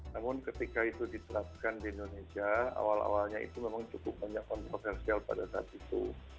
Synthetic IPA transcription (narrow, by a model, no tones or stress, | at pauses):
namʊnkət̪ikait̪udit̪əɾap̚kandiindonesiaa̰wala̰walɲaḭt̪umemaŋt͡ʃukʊp̚baɲakːɔnt̪ɾofɛrsialpa̰dasaa̰t̪̚it̪ṵ